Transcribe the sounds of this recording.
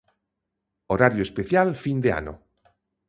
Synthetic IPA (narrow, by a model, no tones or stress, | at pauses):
oɾaɾjoespeθjalfind̪ea̰no̰